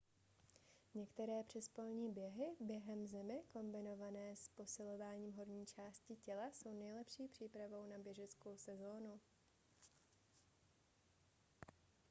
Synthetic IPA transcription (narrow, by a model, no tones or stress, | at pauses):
ɲɛkt̪ɛɾɛːpr̝̥ɛspolɲiːbjɛɦɪbjɛɦɛmzɛmɪko̞mbɪno̞vanɛːspo̞sɪlo̞vaːɲiːmɦo̞ɾɲiːt͡ʃaːscɪcɛlaso̞wnɛjlɛpʃiːpr̥iːpɾavo̞wnabjɛʒɛt͡sko̞wsɛzo̞ːnu